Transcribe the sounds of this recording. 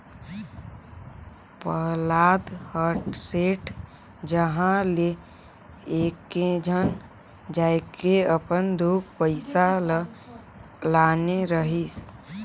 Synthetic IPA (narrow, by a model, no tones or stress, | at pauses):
pəlaːd̪həɾʈseːʈ | d͡ʒəɦãle | eːkːed͡ʒʱəŋ | d͡ʒaːekeəpənd̪uk̚pəɪsal | laːneɾəɦis